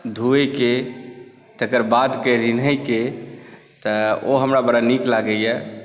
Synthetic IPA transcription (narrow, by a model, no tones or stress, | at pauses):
d̪ʱuejke | t̪əkəɾbat̪kəɾinəjke | t̪əoɦəmɾabəɾaniklaɡəjɛ